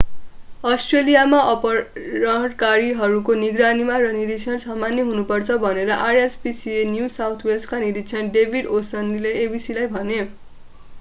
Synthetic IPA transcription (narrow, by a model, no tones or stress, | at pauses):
ʌsʈrelijamaʔʌpʌɾʌɦɽkaɾiɦʌɾukoniɡranimaɾʌniɾisʰʌnsʌmanjeɦunupʌrt͡sʰʌbʱʌneɾʌʔarespisienjusawt̪ʰwelsʈkaniɾit̪t͡sʰʌnɖebʱiɖosʌnlileːbisilajbʱʌne